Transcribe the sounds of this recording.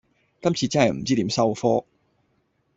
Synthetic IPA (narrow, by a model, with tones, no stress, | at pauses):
kɐ˥mt͡sʰiː˧t͡sɐ˥nɦɐ˨˩jm̩˨˩t͡siː˥t̪iː˨˥msɐ˥wfɔː˥